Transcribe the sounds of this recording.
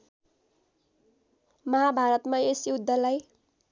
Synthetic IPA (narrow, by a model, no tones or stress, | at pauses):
mʌɦabʱaɾʌt̪maesiud̪ːʌlaj